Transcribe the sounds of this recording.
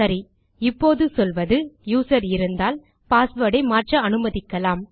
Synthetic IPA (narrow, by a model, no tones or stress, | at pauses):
sɐɾi | ɪpːoːðɯsɔlʋɐðɯjuːsɐɾɪɾɯnd̪aːl | paːsʋɐɽɐɪmaːrʈrɐɐnɯmɐðɪkːɐlaːm